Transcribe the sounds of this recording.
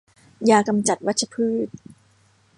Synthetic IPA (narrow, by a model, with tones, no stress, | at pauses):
jaː˧ka˧mt͡ɕa˨˩t̪̚wa˦˥t̪̚t͡ɕʰa˧pʰɯː˥˩t̪̚